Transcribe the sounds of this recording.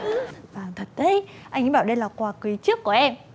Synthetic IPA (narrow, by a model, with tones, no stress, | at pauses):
vaː˨˩ŋt̪ʰə˨˩t̚t̪e˨˦ʔa˧jŋʔɓaː˧˩wɗə˧jlaː˨˩kwaː˨˧˩kwi˨˦t͡ɕɨ˦˥əkːu˧˩əʔɛ˧m